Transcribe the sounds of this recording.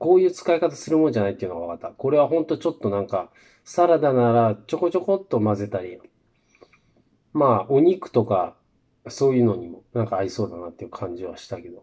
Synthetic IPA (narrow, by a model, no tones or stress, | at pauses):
ko̞ːjɯ̟ːt͡sɨ̥kaikat̪asɨɾɯmo̞nd͡ʑanait̪eiɯ̟noɡaβakat̪ːako̞ɾe̞β̞aɦõ̞nt̪o̞t͡ɕo̞t̪ːo̞nãŋka | saɾad̪anaɾat͡ɕo̞ko̞t͡ɕo̞ko̞t̪ːo̞maze̞t̪aɾʲi | maːoɲ̟ikɯ̟̥t̪o̞ka | so̞ːjɯ̟ːno̞ɲ̟imo̞nãŋkaːiso̞ːd̪anat̪ːe̞jiɯ̟kʰãɲ̟d͡ʑiβ̞aɕi̥t̪ake̞d̪o̞